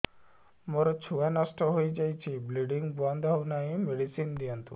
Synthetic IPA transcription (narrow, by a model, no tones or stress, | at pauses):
mɔɾɔt͡ʃʰuʋanasʈɔɦojd͡ʒajt͡ʃʰibliɖiŋɡbɔnd̪ʱɦawnaɦĩmeɽisind̪ijɔnt̪ṵ